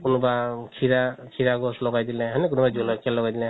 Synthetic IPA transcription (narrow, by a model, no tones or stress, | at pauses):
kunubakʰiɾakʰiɾaɡɔslɔɡajd̪ilaɦanɛk̬unubad͡ʒɔlɔkʰɛlːɔɡajdilɛ